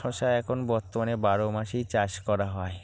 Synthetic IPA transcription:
ɔʃaɛkʰonbɔɾt̪ːomanebaɾomaʃijt͡ɕaʃkɔɾaɦɔe

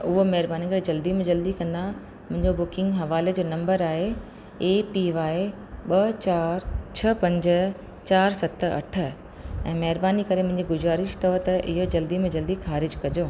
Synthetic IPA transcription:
ʊɦomɐɦɾbaːnikɐɾed͡ʑɐld̪imẽd͡ʑɐld̪ikɐ̃nd̪a | mʊ̃ɦɪ̃ɲd͡ʑobʊkɪ̃ŋɡɦɐʋaːled͡ʑoːnɐ̃mbəɾaːɦe | eːpiʋaːi | ɓɐt͡ɕaːɾt͡ɕʰɐpɐ̃ɲd͡ʑə̆ | t͡ɕaːɾsɐt̪̆ʰɐ̰ʈʰə̆ | ɛ̰̃ːmɐɦɪɾbaːnikɐɾemʊ̃ɦɪ̃ɲd͡ʑiɡʊzaːɾɪʃt̪ɔːɦt̪ɐʔɪɦod͡ʑɐld̪imẽd͡ʑɐld̪ixaːɾɪd͡ʑkɐd͡ʑoː

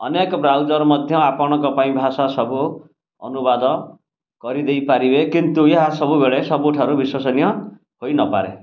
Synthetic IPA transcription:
ʌ̰nekbrawd͡zʌɾmʌd̪ʱjʌapɔɽ̃ʌkɔpaĩbʱasasʌbu | ʌ̰nubad̪ʌ | kʌɾid̪ʌjpaɾibekint̪ujʌɦasʌbubeɭesʌbuʈʰaɾubiswʌsʌnjʌ | hojnʌpa̰ɾḛ

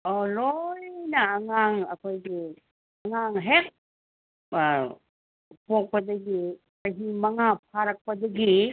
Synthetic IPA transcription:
olojnɐːŋaŋɐ̰kʰojɡi | ɐŋaŋɦek̚ | pok̚pɐdɐɡi | ɐɦimɐŋapʰaɾɐk̚pɐdɐɡi

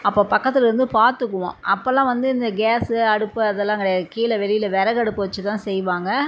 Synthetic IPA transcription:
ɐpːoːpɐkːɐt̪ːɪlɐɾɯnd̪ɯpaːɾt̪ɯkːɯʋõ̰ːʔɐpːɐːlːãːʋɐnd̪ɯɪnd̪ɐɡaːsɯɐɽɯpːɯɐðɛlːãːɪŋɡɐɽɐjɐkiːlɐʋɛlɪjɪlɐʋɛɾɐɣɐɽɯpːɯʋɐt͡ʃːɯt̪ãːsɛjʋaːŋɡɐ

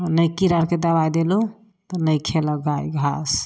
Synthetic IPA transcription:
nəjkiɾaɾked̪əβajd̪elu | t̪ɔnəjkʰeləɡajɡʱa̰s

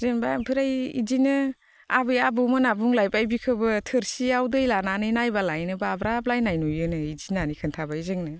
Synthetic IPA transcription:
zenbapʰɯɾajḭzinɯ | abɯjabɯmɯnabuŋlajbajbikʰɯbɯtʰɯɾsiawdɯjlananɯnajbalajnɯbabɾablajnajnujɯnɯizinanikʰɯntʰabaizɯŋnɯ

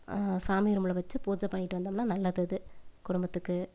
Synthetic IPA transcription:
saːmɪɪɾɯmɯɭɐʋɐt͡ʃːɯpuːd͡ʒɐpɐɳːɪʈːɯʋɐnd̪aːmnːaːnɐlːɐðɯɐðɯkʊɽʊmbɐt̪ːɯkːɯ

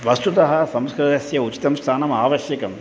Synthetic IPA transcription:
ʋɐst̪ut̪ɐɦɐ̆sɐmskɾɐd̪ɐsjɐut͡ʃi̥t̪ɐmst̪ʰaːnɐmaːʋɐʃjɐkɐm

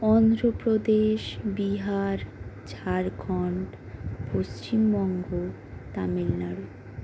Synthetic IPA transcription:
ɔnd̪ɾopɾod̪eʃbiɦaɾd͡ʑʰʱaɾɡʱɔɳʈ | post͡ɕimbɔŋɡo | t̪amilnaɾo

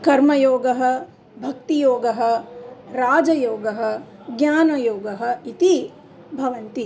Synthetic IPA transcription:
kɐɾmɐjoːɡɐɦɐ̆ | bʱɐk̚t̪ijoːɡɐɦɐ̆ɾaːd͡ʒɐjoːɡɐɦɐ̆ɡɲaːnɐjoːɡɐɦɐ̆it̪i | bʱɐʋɐnt̪i

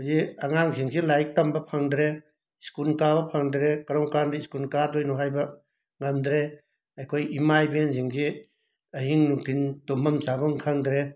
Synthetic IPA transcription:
ziɐŋaŋsiŋsʰilajk̚tambɐpʰaŋdɾe | iskulkabɐpʰaŋdɾekɐɾɔŋkandiskulkadojnɔɦajbɐ | ŋɐmd̪ɾe | ɐjkʰojimajbenziŋsi | ɐhiŋnuŋtʰintomɐmzabɔŋkʰaŋdɾe

